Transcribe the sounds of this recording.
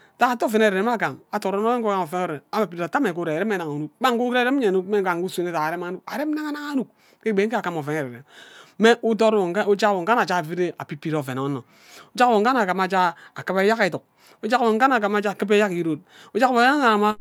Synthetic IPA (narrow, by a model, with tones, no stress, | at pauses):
ta˨˦a˨to˦˨fe˨n˦e˨ɾe˨ɾe˨˦m˦a˦˨ka˨ŋa˨to˨ɾo˦no˦e˦ŋ˦kka˨mo˨fe˨n˦o˦˨e˨a˦ma˨pi˨ɾa˨ta˦me˨ko˦ɾe˨e˨ɾe˦m˦e˦na˨ŋu˨nu˦k̚ba˦ŋ˦ku˦kɾe˦ɾe˦m˦ɲe˨nu˦kme˦ka˨ŋku˦se˦˨ne˦˨a˨a˨ɾe˦ma˦nu˦k̚a˨ɾe˦m˦na˦ŋa˦na˦ŋa˦nu˦k̚ | ke˦ɡ͡be˨˦ŋ̩˦a˨ka˦mo˨fe˨ne˨ɾe˨ɾe˨mme˦ʔu˦to˦ɾo˦d͡ʒa˦kwo˨ŋ˨ka˦na˨t͡ʃa˦˨fi˦ɾe˦a˨pi˦pi˦ɾo˨fe˨no˦no˨ | o˦d͡ʒa˦kwo˨ŋ˦a˦na˨ka˨ma˨d͡ʒa˦a˨ka˦be˦ja˦ke˨tu˨k̚ | o˦d͡ʒa˦kwo˨ŋ˦ka˦na˨k̬a˨ma˦d͡ʒa˦˨kɨ˦p̬e˦ja˦ki˨ɾo˦t̚ | o˦d͡ʒa˦wo˨˦a˨ɾa˨ma˦